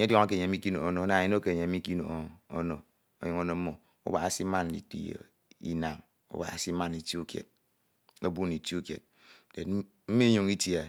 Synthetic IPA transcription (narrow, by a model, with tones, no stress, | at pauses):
ɲ˦djɔ˦ŋa˦ke˨ɲe˨˦mi˦ki˦no̰˨o˨˦no˨˦na˨i˦no˦ke˨ɲe˨˦i˦ki˦no̰˨˦˨o˦no˨ | o˨jo˨˦ŋo˦no˨m̩˦mo˨ | ṵ˦ba˨a˦si˦ma˦n˨dḭ˨tḭ˨jo̰˨ | ḭ˦na˨m | ṵ˦ba̰˨a˨si˦ma˦ni˨ti˦u˦kjḛ˨t̚ | o˦bu˦ni˨ti˦u˦kjḛ˨t̚ | de˨ | m̩˦mi˦ɲu˨ŋi˦tja˨